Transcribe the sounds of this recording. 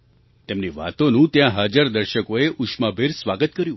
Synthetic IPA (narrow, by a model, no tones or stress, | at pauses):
t̪emniʋa̰t̪onũt̪jãɦəd͡ʒaɾd̪əɾʃəkoeʔuʃmabʱeɾsʋaɡət̪kəɾjũ